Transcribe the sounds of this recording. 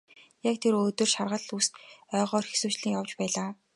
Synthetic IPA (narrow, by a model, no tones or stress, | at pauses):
jakt̪ʰeɾɵt̪ɵ̆rʃarʁə̆ɮust̪œːʁɔːrxesuːt͡ɕɮĭːŋjawt͡ɕpæːɮaː